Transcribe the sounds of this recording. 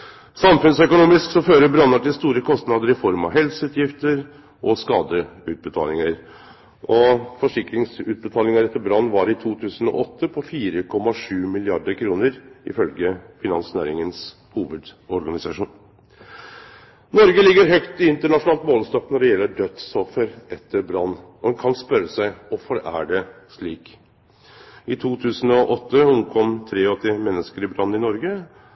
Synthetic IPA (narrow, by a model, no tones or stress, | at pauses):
sɑmfʉnsœkʊnuːmɪsksɔføːɾəbɾɑnːɑʈɪlst̪uːɾəkʰɔst̪nɑd̪əɾɪfɔɾmɑ̰ʋɦɛlsəʉːt̪ʰjɪft̪əɾ | ʔɔskɑːd̪əʉːt̪̚bət̪ʰɑ̰ːlɪŋəɾ | ʔɔfɔʂɪkɾɪŋsʉːt̪̚bət̪ʰɑːlɪŋəɾɛt̪ːəɾbɾɑnːʋɑɾɪt̪ʰuːt̪ʰʉːsən̩ɔ̰ʔɔt̪ʰːəpʰɔfiːɾəkʰɔmːɑʂʉːmɪlɪɑɖəɾkʰɾuːnəɾɪ̰fœlɡəfɪnɑ̰nsnæ̰ːɾɪŋəns | huːʋəd̪ɔɾɡɑnɪsɑʂuːn | nɔɾɡəlɪɡːəɾɦœkt̪ɪɪnt̪əɳɑʂʊnɑːlt̪moːlst̪ɔpnɔɖɛjɛlːəɖœt̪sɔfəɾʔɛt̪ʰːəɾbɾɑnːɔdɛnkʰɑnspœɾəsæɪɔfəɾæ̰ɖɛʂɭiːk | ɪt̪ʰuːt̪ʰʉːsənɔʔɔt̪ʰːəʊnkʰɔmt̪ʰɾeːɔt̪ʰeːmɛnːəskəɾɪbɾɑnːɪnɔɾɡə